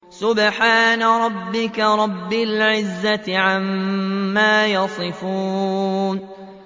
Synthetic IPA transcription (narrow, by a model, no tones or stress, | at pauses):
sʊbħaːnaɾˤɑbːɪkaɾˤɑbːɪlʕɪzːat̪ɪʕamː | aːjɑsˤɨfuːn